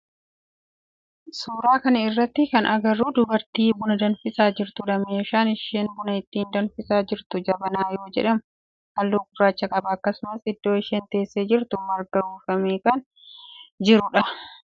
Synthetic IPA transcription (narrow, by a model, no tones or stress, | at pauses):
suːɾaːkɐnɐɪrːɐt̪ːɪkɐnʔɐɡɐrːuːd̪ʊbɐɾt̪iːbʊnɐd̪ɐnfɪsaːd͡ʒɪɾt̪ʊᶑɐme̞ːʃaːnɪʃeːnbʊnɐɪt̪ːiːnd̪ɐnfɪsaːd͡ʒɪɾt̪ʊd͡ʒɐbɐnaːjo̞ːd͡ʒɛ̰ᶑɐmʊ | hɐlːuːɡʊrːaːt͡ʃːɐkʼɐbɐːkːɐsʊmɐsɪd̪ːo̞ːɪʃeːnt̪e̞ːsːeːd͡ʒɪɾt̪ʊmɐɾɡɐuːfɐmiːkɐn | d͡ʒɪɾʊᶑɐ